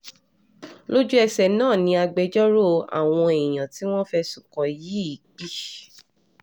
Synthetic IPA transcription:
lo˦d͡ʒu˦ɛ˧sɛ˨nãː˦˨nĩ˧a˧ɡ͡be˧d͡ʒɔ˦ɾo˦˨a̰˨w̃ɔ̃˧e˨jã˨ti˨˦w̃ɔ̃˦fɛ˧su˨kɔ̃˨ji˨˦i˨˦k͡pi˦

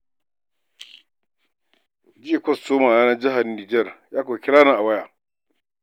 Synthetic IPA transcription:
d͡ʒɪ˦e˨kʷɔ˦˨ssoː˦maː˨aː˦na˦d͡ʒɪ˦ɦa˨rniː˨d͡ʒɛ˦˨rjaː˦ko˨kʲɪ˦ɽaː˦na˨ʔa˨wɐ˦jaː˨

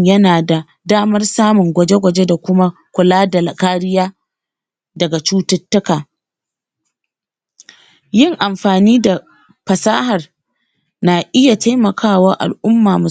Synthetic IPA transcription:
jɐ˦naː˨da˨ | daː˦mɐ˦rsaː˦mʊ˨ŋɡʷɐ˨d͡ʒe˦ɡʷɐ˨d͡ʒe˦da˨kʷʊ˦ma˦kʷʊ˨laː˦da˨lɐ˨kaː˦ɾɪ˦jaː˦ | dɐ˨ɡa˨t͡ʃuː˦tɐ˦tːʊ˦kaː˨ | jɪ˦˨ŋʔa˨mɸaː˨niː˦da˨ | ɸɐ˨saː˦ɦɐ˨r | na˨ʔɪ˦ja˨ta˦jmɐ˨kʰaː˦˨wa˦ʔa̰˨lʔʊ˦mːaː˨mʊ˨

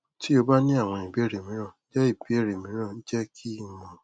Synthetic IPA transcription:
tʰi˦o˧ba˦nĩ˦a˦˨w̃ɔ̃˧˨i˨bi˨˦e˦˨ɾe˨mĩ˨˦ɔ̃˦˨˦d͡ʒɛ˦i˦˨bi˨˦e˦˨ɾe˨mĩ˨˦ɔ̃˦˨n̩˦d͡ʒɛ˦kʰi˦mɔ̃˨˧

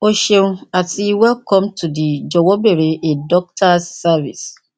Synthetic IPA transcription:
o˦ʃe˨nũ˦a˨ti˨wɛ˦lkɔ̃˦mtʰu˨di˨d͡ʒɔ˨wɔ˦be˨ɾe˨ʔe˨dɔ˦k̚tʰa˦sːa˦vḭ˨s

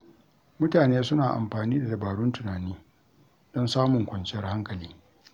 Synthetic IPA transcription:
mʊ˦taː˨neː˦sʊ˦naː˨ʔa̰˨mɸaː˨niː˦da˨dɐ˨baː˨ɽʊ˦ntʊ˨naː˨niː˦ | dɔ˦nsaː˦mʊ˨ŋkʷɐ˨nt͡ʃɪ˦jɐ˦rha˦ŋkɐ˨liː˦

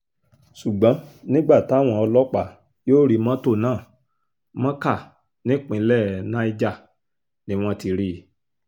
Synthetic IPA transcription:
ʃu˨ɡ͡bɔ̃˨˦nĩ˦ɡ͡ba˦˨ta˦˨w̃ɔ̃˧ɔ˧lɔ˦k͡pa˦˨ | joː˦ɾi˧mã˦to˦˨nãː˦˨ | mɔ̃˦ka˦˨ | nĩ˦k͡pĩ˨˧˦lɛ˦˨nã˦i˧d͡ʒa˦˨ | nĩ˨˦w̃ɔ̃˧ti˧ɾi˧˨

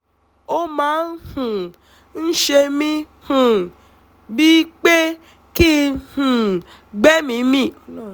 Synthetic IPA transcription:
o˦mãː˨˦n̩˦hũ˨ | n̩˦ʃe˧mĩ˧ | hũ˨ | bi˦k͡pe˦ | ki˦hũ˨ | ɡ͡bɛ˦mĩ˨˧˦mĩ˦˨

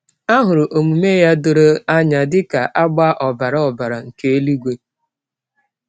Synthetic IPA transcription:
a˦ɦʊ˨ɾʊ˨ʔo˨mu˨me˦ja˦dʊ˨ɾo˦a˦ɲa˨dɪ˦ka˨ʔa˦ɡ͡ba˦ʔɔ˨ba˨ɾa˦ɔ˨ba˨ɾa˨ŋ̩˨ke˦e˦li˦ɡʷe˦

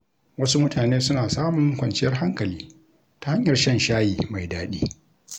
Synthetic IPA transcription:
wɐ˦su˦mʊ˦taː˨neː˦sʊ˦naː˨saː˦mʊ˨ŋkʷɐ˨nt͡ʃɪ˦jɐ˦rɦa˦ŋkɐ˨liː˦ | ta˨ha˦ɲjɐ˨rʃɐ˦nʃaː˦jiː˨ma˨jdaː˦ɗiː˦

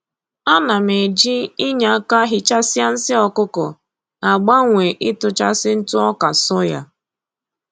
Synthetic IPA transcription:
a˦na˨me˨d͡ʒi˦ɪ˦ɲa˨a˦ka˦ɦɪ˦t͡ʃa˦si˦a˦n̩˦sɪ˦ɔ˨kʊ˦kɔ˨ | a˨ɡ͡ba˦ŋʷe˨ʔɪ˦tʊ˨t͡ʃa˦sɪ˦n̩˦tʊ˦ɔ˦ka˨sɔ˦ja̰˦

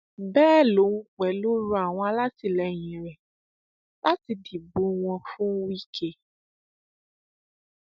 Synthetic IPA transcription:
bɛː˦lo˨˦ŋũ˦k͡pɛ˨lo˦ɾu˦a˨w̃ɔ̃˦a˨la˦ti˨lɛ˨˦ɲĩ˨ɾɛ˨ | la˦ti˨di˨bo˨w̃ɔ̃˧fũ˦wi˦kʰe˦

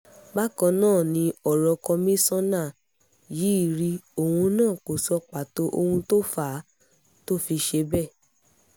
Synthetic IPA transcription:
ba˦kɔ̃˧nãː˦˨nĩ˧ɔ˨ɾɔ˧kɔ˧mĩ˦sɔ̃˦na˦˨ | jiː˨˦i˦˨ɾi˧o˨hũ˧nãː˦˨ko˨sɔ˧k͡pa˨to˨˦ʔo˧hũ˧to˦fa˨˦ | to˦fi˧ʃe˧bɛ˦˨

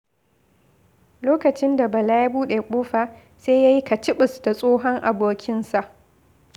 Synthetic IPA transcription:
loː˦kɐ˨t͡ʃɪ˦nda˨bɐ˨laː˦ja˦buː˦ɗe˨kʷʼoː˦ɸaː˨ | seː˦ja˦ji˦ka˨t͡ʃɪ˦ɓɪ˨sda˨sʼoː˦ɦɔ˦ŋʔa˨boː˨kʲɪ˦nsa˨ʔ

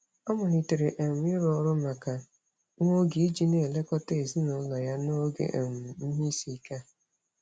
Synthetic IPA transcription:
ɔ˦mʊ˨ni˨te˨ɾe˨ʔe˨m̩˨˦ɪ˦ɾɔ˨˦ɾʊ˦ma˨ka˨ | ŋʷo˦ɡi˨i˦d͡ʒi˦ne˦˨le˦kɔ˦te˦˨zi˦nɔ˨˦lɔ˨ja˦no˦ɡḛ˨ʔḛ˨m̩˨˦ɦi˦si˨˦ka˦

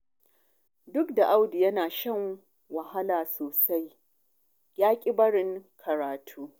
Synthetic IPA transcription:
dʊ˦kda˨ʔa˦wdi˨jɐ˦naː˨ʃɐ˦ŋ | wɐ˨ɦa˦laː˨soː˨sa˦j | jaː˦kʲʼɪ˦bɐ˦ɽɪ˦ŋkʰɐ˨ɾaː˨tʰuː˦

